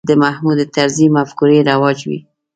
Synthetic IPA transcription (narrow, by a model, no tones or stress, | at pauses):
d̪əmahmud̪et̪aɾzimafkuɾeɾawɑd͡ʒwḭ